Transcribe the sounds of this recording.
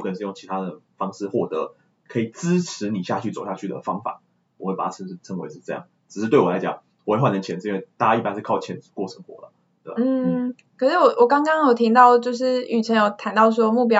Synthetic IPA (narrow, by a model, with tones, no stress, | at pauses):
kʰə˥˩˨ʂ̩˥˧jo˥˩ŋt͡ɕʰi˧˥t̪ʰa˥d̪ə˩fɑ˥ŋʂɻ̩˥˧xwɔ˥˩t̪ɤə̰˧˦ | kʰɤ˧˥i˨˩t͡sɹ̩˥ʈ͡ʂʰɻ̩˧˦ni˨˩ɕja˥˧t͡ɕʰy˥˩t͡so˨˩ʊɕja˥˧t͡ɕʰy˥˩d̪ə̰˩fɑ˥ŋfa̰˨˩˦ | wɔ˨˩xwe˥˩pa˨˩a˥˧˩ə˧˥˩t͡sʰə˧˥ŋwḛ˧˥ʈ͡ʂ̩˧˥ʈ͡ʂɤ˥˧jɑ̰˥˩ŋ | ʈ͡ʂɻ̩˨˩ʂ̩˥˩t̪we˥˩ɪwɔ˨˩a˧ɪt͡ɕɑ̰˨˩˦ŋ | wɔ˨˦we˥˧wa˥˧nə˧˦nt͡ɕʰjɛ˧˥nd͡z̩˧˨˧nwɪt̪a˥˩ja˥i˥pa˥˦nʂ̩˥˧kʰɑ˥˩ʊt͡ɕʰɛ˧˥nt͡s̩˧kwɔ˥˩ʈ͡ʂʰə˧˦˥ŋxwɔ̰˧˦lə̰˨˩ḛ˥˩˨n̩˥˩˥ | kʰə˨˩ʂɻ̩˥˩wɔ˨˩wɔ˨˩kɑ˥ŋkɑ˥ŋjo˨˩ʊt̪ʰi˧˥ŋt̪ɑ˥˩ʊt͡ɕjo˥˧ʊʂ̬ɻ̩˥˩y˨˩ʈ͡ʂʰə˧˥njo˨ʊt̪ʰa˧˥nt̪ɑ˥˩ʊs̬wɔ˥mu˥˩p̬jɑ˥